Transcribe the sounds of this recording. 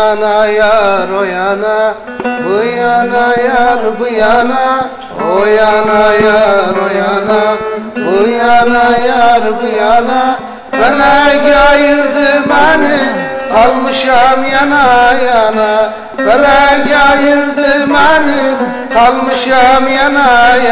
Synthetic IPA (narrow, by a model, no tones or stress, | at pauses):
najaɾojaːna | bəjanajaɾbujana | ojaːnajaɾojaːnabəjaːnajaɾbujaːna | bɐlaɡajiɾd̪ɨmanialmɨʃamjanajaːna | bɐlaɡʲajiɾd̪ɨmani | almɨʃamjanaj